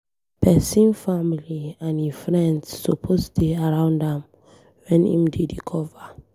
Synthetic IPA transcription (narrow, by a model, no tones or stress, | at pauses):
pʰɛsĩnfamiliãnifɹɛ̃ndsːopʰosteaɹãʊ̃ndɛ̃m | wɛ̃nḭ̃mdedikʰɔva